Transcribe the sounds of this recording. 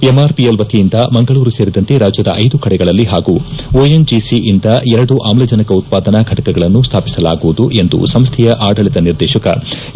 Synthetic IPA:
emaːɾpielʋɐt̪ʰijind̪ɐmɐŋɡɐɭuːɾuseːɾid̪ɐnt̪e̞ɾaːd͡ʒjɐd̪ɐʔɐjd̪ukɐɽɛɡɐɭɐlːiɦaːɡuoːjend͡ʒisiʔind̪ɐɛɾɐɽuʔaːmlɐd͡ʒɐnɐkɐut̪̚paːd̪ɐnɐɡʱɐʈɐkɛɡɐɭɐnːust̪ʰaːpi̥sɐla̰ːɡuʋud̪uʔe̞nd̪ṵsɐmst̪ʰɛjɐʔaːɖɐɭit̪ɐniɾd̪ɛːʃɐkɐ̰

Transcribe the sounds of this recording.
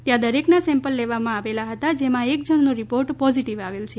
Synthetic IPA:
t̪jãd̪əɾeknasɛ̃mpəlːeʋamãaʋelaɦət̪ad͡ʒemãek̚d͡ʒəɳ̃nũɾipoɾʈpɔziʈiʋaʋelt͡ʃʰe

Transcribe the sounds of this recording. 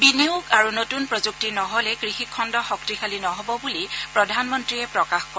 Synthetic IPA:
biniukaɹunotunpɹɔzuk̚tinɔɦɔlɛkɹixikʰːɔndɔxɔktikʰalinɔɦɔbɔbulipɹɔdʱanmɔntɹiɛpɹɔkaxkɔ

